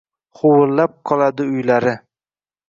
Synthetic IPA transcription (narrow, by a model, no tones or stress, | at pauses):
χʰowʊlːap̚qʰɒlˠad̪ɪʊjlaɾɪ